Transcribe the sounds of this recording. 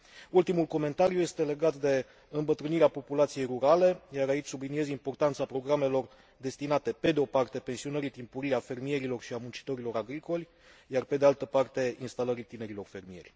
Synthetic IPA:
ult̪imulko̞me̞nt̪aɾjuje̞st̪e̞le̞ɡat̪d̪e̞ | ɨmbət̪ɾɨniɾeapo̞pulat̪sije̞jruɾale̞jaɾait͡ʃʲsublinie̞zimpo̞rt̪ant̪sapɾo̞ɡɾame̞lo̞r | d̪e̞st̪inat̪e̞pe̞d̪eo̞part̪e̞pe̞nsionəɾit̪impuɾiafe̞rmije̞ɾilo̞rʃiamunt͡ʃi̥t̪o̞ɾilo̞ɾaɡɾiko̞lʲ | jarpe̞d̪ealt̪əpart̪e̞inst̪aləɾit̪ine̞ɾilo̞rfe̞rmije̞̰rʲ

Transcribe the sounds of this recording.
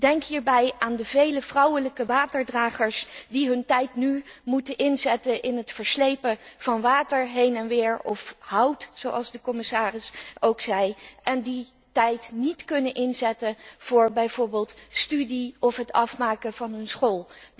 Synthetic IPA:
d̥ɛŋkɦiːɹbɛjaːndəvejləv̥rʌwələkəʋaːtəɹdraːχəɹsdiɦɵntɛjtnymutənʔɪnzɛtənʔɪnɦətfəɹslejpəv̥ɑnʋaːtəɹɦejnɛnʋɪːɹɔfɦʌwtsowʔɑ̰lˠzdəkɔmɪsaːrɪsowksɛjʔɛndi | tɛjtnitkɵnənʔɪnzɛtənv̥ʊːɹbɛjv̥ʊːɹbeːlˠtstydiɔfɦətɑfmaːkəv̥ɑnɦɵnsχoːlˠ

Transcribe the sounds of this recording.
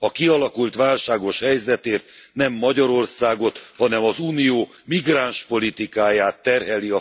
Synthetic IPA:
ɒkiɒlɒkult̪ʋaːlʃaːɡo̞ʃhɛjzɛt̪eːrt̪nɛmːɒɟɒɾo̞rsaːɡo̞t̪hɒnɛmɒzuːnijoː | miɡraːnʃpo̞lit̪ikaːjaːt̪ːɛrɦɛliɒ

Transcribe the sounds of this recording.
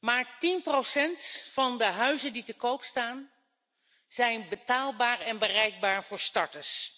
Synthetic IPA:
maːɹtinprowsɛntfɑndəɦœɥzənditəkowpstaːn | z̥ɛjnbətaːlˠbaːɹɛnbərɛjɡ̚baːɹv̥ʊːɹstɑɹtəs

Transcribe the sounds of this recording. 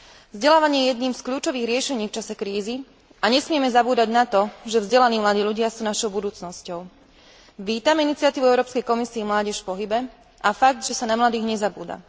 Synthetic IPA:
vzɟɛlaːʋaɲɪɛjɛjɛd̪niːmskʎuːt͡ʃɔʋiːɣɾɪɛʃɛɲiːft͡ʃasɛkɾiːzi | aɲɛsmɪɛmɛzabuːd̪aɟnat̪ɔʒɛvzɟɛlaniːmlad̪iːʎuɟɪasuːnaʃɔʊbud̪uːt͡snɔscɔʊ | ʋiːt̪aminit͡sɪat̪iːʋuɛʊɾɔːpskɛjkɔmisiːmlaːɟɛʃfpɔɦibɛ | ʔafaɡ̚d̪ʒɛsanamlad̪iːɣɲɛzabṵːd̪a̰

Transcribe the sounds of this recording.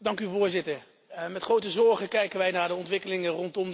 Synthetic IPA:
dɑŋkyvʊːɹzɪtəɹ | mɛtχrowtəzɔɹχəkɛjkənʋɛjnaːɹdəɔntʋɪkəlɪŋərɔntɔm

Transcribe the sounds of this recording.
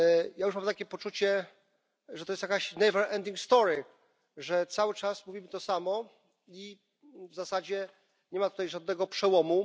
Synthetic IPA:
jajuʂmamt̪akʲɛpɔt͡ʂut͡ɕɛ | ʐɛt̪ɔjɛst̪jakaɕnɛjvɛɾɛnd̪ʲiŋkst̪ɔɾi | ʐɛt̪sawɘt͡ʂasmuvʲimɘt̪ɔsamɔ | i | vzasad͡ʑɛ | ɲɛmat̪ut̪ajʐad̪nɛɡɔpʂɛwɔmu

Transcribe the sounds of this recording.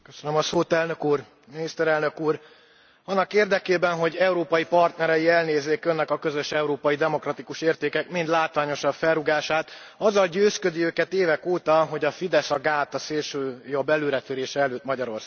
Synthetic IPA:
køsønømɒsoːt̪ɛlnø̞kuːr | minist̪ɛɾɛlnø̞kuːr | ɒnːɒkeːrd̪ɛkeːbɛnɦo̞ɟɛuɾoːpɒjipɒrt̪nɛɾɛjiɛlneːzːeːkønːɛkɒkø̞zø̞ʃɛuɾoːpɒjid̪ɛmo̞krɒt̪ikuʃeːrt̪eːkɛkmind̪laːt̪ʋaːɲo̞ʃɒffɛrːuɡaːʃaːt̪ | ɒzːɒlɟøːskød̪iøːkɛt̪eːvɛkoːt̪ɒɦo̞ɟɒfid̪ɛsɒɡaːt̪ɒseːlʃøːjo̞bːɛløːɾɛt̪yɾeːʃɛɛløːt̪mɒɟɒɾo̞rsa

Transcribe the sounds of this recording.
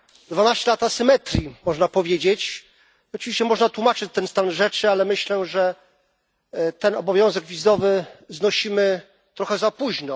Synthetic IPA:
d̪vanaɕt͡ɕɛlat̪asɘmɛt̪ɾʲimɔʐnapɔvʲjed͡ʑet͡ɕ | ɔt͡ʂɨ̥vʲiɕt͡ɕɛmɔʐnat̪wumat͡ʂɘt͡ɕt̪ɛnst̪anʐɛt͡ʂɘalɛmɘɕlɛʐɛ | t̪ɛnɔbɔvʲjɔ̃w̃zɛɡvʲizɔvɘznɔɕimɘ | t̪ɾɔxɛzapuʑnɔ

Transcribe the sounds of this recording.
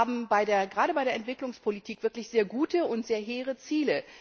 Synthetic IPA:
aːbm̩baɪdeːɐɡʁaːɾəbaɪɾeɐɛntv̥ɪklʊŋspʰolitʰiːkv̥ɪɐklɪçz̥eːɐɡuːtəʊntz̥eːɐɦeːʁ̞ət͡siːlə

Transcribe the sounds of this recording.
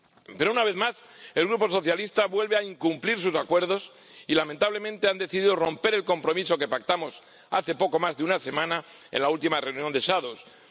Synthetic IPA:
pe̞ɾo̞unaβe̞ðmase̞lɣɾupo̞so̞θjalist̪aβwe̞lβeaiŋkumpliɾs̬usakwe̞ɾð̞o̞s | ilament̪aβle̞mẽnt̪e̞and̪e̞θiðiðoro̞mpe̞ɾe̞lko̞mpɾo̞miso̞ke̞pak̚t̪amo̞s | aθe̞po̞ko̞mazðeunase̞mãna | e̞̰nlault̪imare̞unjond̪e̞ʃaðos

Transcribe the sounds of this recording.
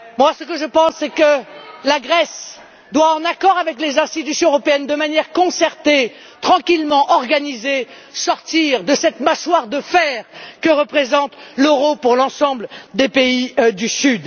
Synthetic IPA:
mwasəkəʒəpɑ̃sːɛkəlaɡʁɛs | d̪waɑ̃nakɔʁavɛklezɛ̃st̪it̪ysjɔ̃øʁɔpeɛnd̪əmanjɛʁkɔ̃sɛʁt̪e | t̪χɑ̃kʲilmɑ̃ʔɔʁɡanize | sɔʁt̪iʁd̪əsɛt̪maʃwaʁd̪əfɛʁkəʁəpχezɑ̃t̪løʁopuʁlɑ̃sɑ̃bld̪epeid̪ysyd̪

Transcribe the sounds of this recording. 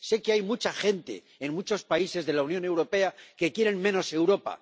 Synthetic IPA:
se̞keajmut͡ʃaxe̞nt̪e̞̰ːnmut͡ʃo̞spaise̞zðe̞launjõ̞ne̞wɾo̞pe̞ake̞kje̞ɾe̞nmẽ̞no̞se̞wɾo̞pa̰

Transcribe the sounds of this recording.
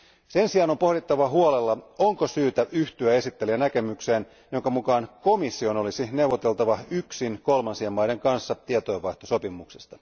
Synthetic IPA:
se̞nsiɑno̞mpo̞hɾit̪ːɑʋɑɦuolelːɑoŋkosyːt̪æʔyht̪yæe̞sit̪ːeliænæke̞mykseːn | jo̞ŋkɑmukɑːnko̞misːio̞no̞lisine̞wʋot̪e̞lt̪ɑʋɑyksinkolmɑnsiemːɑjdeŋkɑnsːɑt̪iet̪oeʋɑjht̪oso̞pimuksest̪ɑ̥

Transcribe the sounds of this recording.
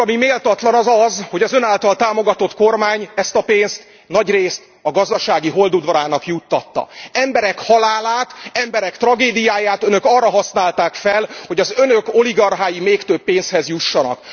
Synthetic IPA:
ɒmimeːlt̪ɒt̪lɒnɒzɒzho̞ɟɒzø̞naːlt̪ɒlt̪aːmo̞ɡɒt̪o̞t̪ko̞rmaːɲɛst̪ɒpeːnst̪ | nɒɟreːst̪ | ɒɡɒzd̪ɒʃaːɡiɦo̞ld̪ud̪vɒɾaːnɒkjut̪ːɒt̪ːɒ̰ɛmbɛɾɛkhɒlaːlaːt̪ɛmbɛɾɛkt̪rɒɡeːd̪ijaːjaːt̪ønø̞kɒrːɒɦɒsnaːlt̪aːkfɛlho̞ɟɒzø̞nøko̞liɡɒrɦaːjimeːkt̪øpːeːnshɛzjuʃːɒnɒ̰k

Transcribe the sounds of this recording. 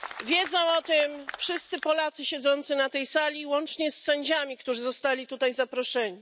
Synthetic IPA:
vʲjɛd̪zɔ̃w̃ɔt̪ɪmfʂɘst̪sɘpɔlat̪sɘɕɛd̪zɔnt̪sɘnat̪ɛjsalʲiwɔnt͡ʂɲɛsːɛɲd͡ʑamʲikt̪uʐɘzɔst̪alʲit̪ut̪ajzapɾɔʂɛɲi

